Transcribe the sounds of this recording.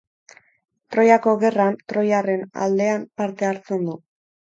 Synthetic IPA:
t̪ɾo̞jako̞ɣe̞rant̪ɾo̞jare̞na̰ld̪e̞ampaɾt̪e̞aɾt͡se̞nd̪u

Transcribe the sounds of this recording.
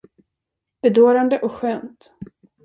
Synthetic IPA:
b̥ɛd̪oːɾand̪əʔɔkɧøːnt̪

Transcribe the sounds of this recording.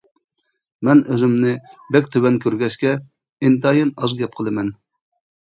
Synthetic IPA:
mɛnøzymnɪbɛkʲt̪ʰøwɛnkʲʰøɾɡʲɛʃkʲɛ | ent̪ɑjɨnɑzɡʲɛp̚qʰəlˠɨmɛn

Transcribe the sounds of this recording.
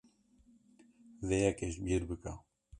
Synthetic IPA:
zejɛkeʃbiɾbɨka

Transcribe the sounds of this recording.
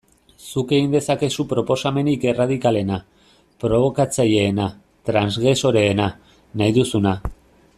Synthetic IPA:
suke̞ɣind̪e̞sake̞supɾo̞po̞same̞nike̞rað̞ikale̞na | pɾo̞β̞o̞kat͡saʎe̞ːna | t̪ɾanzɣɾe̞so̞ɾe̞ːna | najðusuna

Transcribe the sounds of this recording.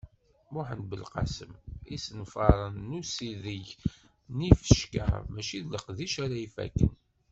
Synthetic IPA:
mʊħənbəlqɑ̰səmisənfɑɾˤənːusiðəʝ | nifə̥ʃka̰mæʃiðləqðiʃæɾæifæ̰kːə̰n

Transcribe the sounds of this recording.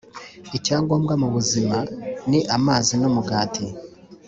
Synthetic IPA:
icaːŋɡwomɡamuβuzimaniʔamaːzinomuɡaːti

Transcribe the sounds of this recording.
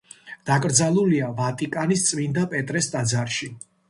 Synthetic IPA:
d̪̥akʼɾd̪zalˠuliavat̪ʼikʼanist̪sʼmind̪apʼɛt̪ʼɾɛsd̪ʼad̪zaɾʃi

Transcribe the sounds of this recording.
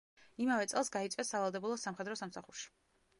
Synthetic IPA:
imavɛt̪sʼɛlˠsɡait̪sʼvɛsavalˠd̪ɛbulˠɔsamχɛd̪ɾɔsamsaχuɾʃi̥

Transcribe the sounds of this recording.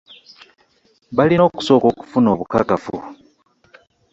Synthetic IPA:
βalino̞ːku̥so̞ːko̞ːku̥funo̞ːβuka̰kafṵ

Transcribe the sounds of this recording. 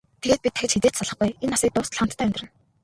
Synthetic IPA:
t̪ʰeɣeːt̪̚pʲit̪ʰːæxɪ̆t͡ɕxet̪eːt͡ɕsaɮə̆χɡujenːasiːk̚t̪ʊːst̪ʰɮχant̪ʰːæːʊmʲt̪ɪ̆ɘ̆n

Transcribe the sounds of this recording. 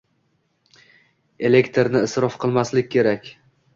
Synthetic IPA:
e̞le̞kt̪ʰeɾnɪɪsɾɒfqʰɨlˠmaslɪkʲːʰe̞ɾakʲ

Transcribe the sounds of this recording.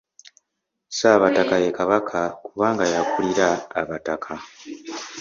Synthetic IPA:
saːβatakajekaβakʰakuβaːŋɡajakuliɾaːβatakʰa

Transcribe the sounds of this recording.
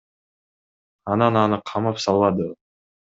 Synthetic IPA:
ɑnɑnɑnɯqʰɑmɑpsɑlˠβɑd̪ɯ

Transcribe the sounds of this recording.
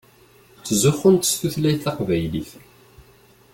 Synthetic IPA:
t͡sːzʊχːənt̪ə̥sθuθlæjθɑqvæjliθ

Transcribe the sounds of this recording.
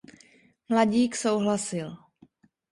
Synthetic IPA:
mlaɟiːkso̞wɦlasɪl

